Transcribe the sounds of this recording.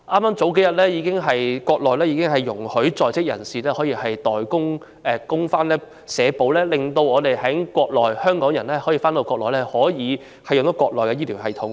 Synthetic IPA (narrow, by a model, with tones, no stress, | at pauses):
ʔaː˥mːaː˥mt͡so˨˥wke˨˥jɐ˨t̚lɛː˥jiː˨˧kɪ˥ŋɦɐ˨jkʷwɔː˧k̚lɔː˨jlɛː˥jiː˧˥kɪ˥ŋɦɐ˨jːʊ˨˩ŋhɵ˨˥ɥt͡sɔː˨jt͡sɪ˥k̚jɐ̰˨˩nsiː˨˩lɛː˥hɔː˨˥jiː˧hɐ˨jt̪ɔː˨˩jkʊ˥ŋ | ʔɛː˨˧kʊ˥ŋfaː˥nlɛː˥ | sɛː˨˧po˨˥wlɛː˥lɪ˨ŋt̪o˧wɔː˨˧t̪e˨jɦɐ˨˥kʷwɔː˧k̚lɔː˨jhœː˥ŋkɔː˨˥ŋjɐ˨˩nlɛː˥hːjiː˧faː˥nt̪o˨˧wkʷːɔː˧k̚lɔː˨jlɛː˥hɔː˨˥jiː˨˧ | hɐ˨jʊ˨t̪o˨˥kʷwɔː˧k̚lɔː˨jkɛ˧jiː˥t̪ʰiː˨˩wɦɐ˨jt̪ʰʊ˨˥ŋ